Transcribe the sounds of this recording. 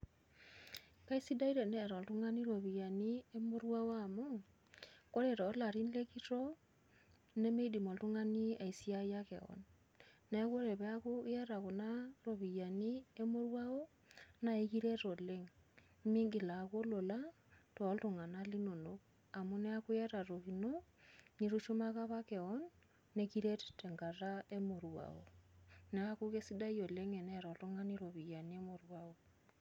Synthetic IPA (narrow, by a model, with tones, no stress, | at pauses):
ka˦i˦si˦da˦i˦ɾe˨nɛ˦˨ɾɔ˨ltu˦ŋa˦ni˦ɾo˨βi˨ja˨ni˦e˦mo˦ɾwa˦o˦a˨mo˦ | ko˦ɾe˨ɾɔː˨˦la˨ɾi˦n˦le˦ki˦to˦ | ne˦me˦i˦di˨mo˨ltu˦ŋa˦ni˦a˨i˨si˦a˦ja˦kḛ˨ɔ̰˨nː | ɛ˦ko˦ɾe˨pe˦a˦ko˦i˦ja˦ɾa˨ko˨na˦ɾo˨βi˨ja˨ni˦e˦mo˦ɾwa˦o˦ | na˨e˦ki˦ɾe˦ɾo˨le˦ŋ | mi˦ŋɡi˨la˨ko˦lo˨la˦ | tːlto˨ŋa˨na˦li˦no˨no˦k | a˨mu˦nɛ˦a˦ku˦jɛ˦ɾa˨ɾo˨βi˨no˦ni˦ɾu˦ʃo˦ma˦ka˦βa˦ke˨ɔ˦nː | e˦kiɾe˦ttɛ˨ŋɡa˨ra˦e˦mo˨ɾwa̰o̰˨nɛ˦a˦ko˦ke˦si˦da˦i˦o˨le˦ŋe˨nɛ˦ɾɔ˨to˦ŋa˦ni˦ɾo˨βi˨ja˨ni˦e˦mo˨ɾwa˦o˨